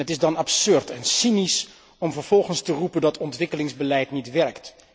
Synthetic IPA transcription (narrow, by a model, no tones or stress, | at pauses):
ətɪzdɑnɑpsɵɹtɛnsinis | ɔmvəɹv̥ɔlˠχənstərupəndɑtʰɔntʋɪkəlɪŋzbəlɛjtnitʋɛɹkt